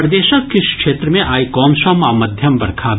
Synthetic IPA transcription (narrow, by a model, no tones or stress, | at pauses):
ɾd̪eːʃəkkɪʃkʃeːt̪ɾəmẽʔaːikɔːmʃɐmaːmɐd̪ʱjɐmʋɐɾkʰaːb